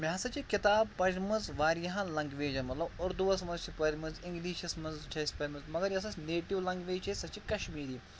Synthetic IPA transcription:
mjaːsɐt͡ʃikit̪aːb̚pɐɾʲmɐzʋaːɾjɐɦãnlɐŋɡʋeːd͡ʒɐnmɐt̪lɐbʊɾd̪uʋɐsmɐzt͡ʃʰipɐɾʲmɐziŋɡliːʃɐsmɐnzt͡ʃʰɐjsʲpɐɾʲmɐzmɐɡɐɾjɐs̬ɐsneːʈiʋlɐŋɡʋeːt͡ʃesɐt͡ʃikɐʃmiːɾiː

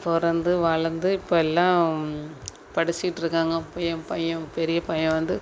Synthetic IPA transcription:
pɔɾɐnd̪ɯʋɐɭɐnd̪ɯɪpːoːɛlːãː | pɐɽɪt͡ʃːɪɪʈːɪɾɯkːaːŋɡɐpːɐjɐ̃pɐjɐ̃ɾɯpɛɾɪjɐpɐjɐ̃ʋɐnd̪ɯ

